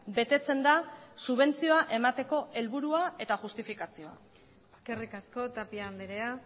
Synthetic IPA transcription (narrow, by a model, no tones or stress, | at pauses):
be̞t̪e̞t͡se̞nd̪asuβ̞e̞nt͡sio̞aʔe̞mat̪e̞ko̞e̞lβuɾuae̞t̪aʝust̪ifikasio̞a̰ | eske̞rikasko̞t̪apiamd̪eɾea